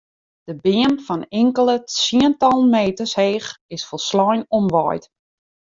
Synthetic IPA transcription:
d̥əbɪəmfɔnɪŋkəlˠət͡siəntɔlˠnmeːtəsheːxɪsfolˠslɔjnɔmʋɔ̰jt

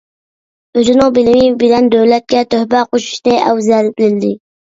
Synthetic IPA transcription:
øzɪnɪŋbɪlɪmɪbɪlɛnd̪øwlɛt̪̚kʲɛt̪ʰøhbæqoʃu̥ʃnɨʔɛ̰wzɛlbɪlɪld̪ɪ

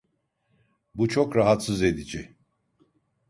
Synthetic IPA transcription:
but͡ʃʰo̞kɾaɦat̪sɯze̞d̪id͡ʒi

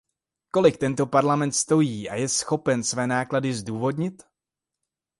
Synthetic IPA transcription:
ko̞lɪkt̪ɛnt̪o̞paɾlamɛnt̪st̪o̞jiːʔa̰jɛsxo̞pɛnsvɛːnaːkladɪzduːvo̞dɲɪt̪

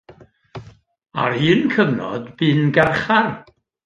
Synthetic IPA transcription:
a̰rhɨːnkʰəvnɔ̰db̥ɨːnɡɛrχar

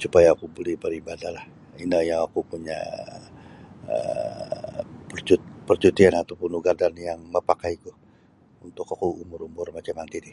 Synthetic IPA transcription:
supajaːkubolɛhbəɾibadalah | inajaŋakupuɲa̰ | ə̰ | pərt͡ʃut̪pərt͡ʃut̪ianat̪apunuɡadanjaŋməpakaikuh | unt̪ʊkakuumʊɾumʊrmat͡ʃamant̪idi

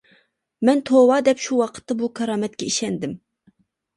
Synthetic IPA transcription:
mɛnt̪ʰowɑːd̪ɛpʃuwɑqʰə̥t̪ːɑbukʰɑɾɑːmɛt̪̚kʲɛiʃɛnd̪ɪm

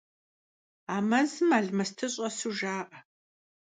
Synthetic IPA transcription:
aːmɐzɨmaːɮmɐstʰɨɕʼɐsuʒaːqʼɐ

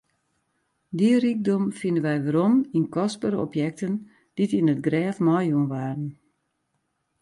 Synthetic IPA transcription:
dirik̚dɔmfɪndənʋɛjʋəɾɔminkɔspəɾəɔ̰pjɛk̚tən | d̥itinətɡrɛːfmɔjunʋaːrən

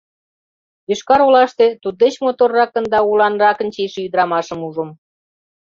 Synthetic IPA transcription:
iʃkɑɾolɑʃt̪et̪ud̪̚ːet͡ɕmot̪orːɑkənd̪ɑulˠɑnrɑkə̆nt͡ɕeʃeyd̪ɾɑmɑʃə̆muʒə̆m

